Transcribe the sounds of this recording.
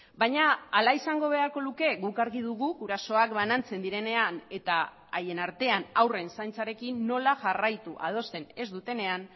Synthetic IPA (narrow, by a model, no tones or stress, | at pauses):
bajɲaalaisaŋɡo̞β̞e̞aɾkoluke̞ɣukaɾɣiðuɣuɡuɾaso̞akbanant͡se̞nd̪iɾe̞ne̞ane̞t̪aː | je̞naɾt̪e̞anawre̞nsajnt͡saɾe̞kinːo̞laʝarajt̪uʔa̰ð̞o̞st̪e̞ne̞zd̪ut̪e̞ne̞an